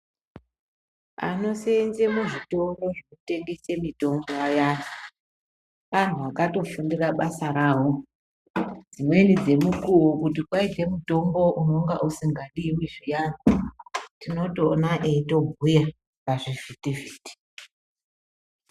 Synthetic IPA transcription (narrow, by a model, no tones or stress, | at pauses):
a̰no̞senzemuʐito̞ɡo̞ʐinote̞ŋɡese̞mito̞ŋɡo̞ajani | ʋan̤uʋakato̞fundiraɓasaɾaːɦo | d͡zimwe̞nid͡ze̞mukuwokut̬ikwaite̞muto̞mɡo̞ʔuno̞ŋɡa̰ʔusiŋɡaɗiwiʐijanitino̞toːnaʔeito̞bʱuja | paʐivitiviːti̥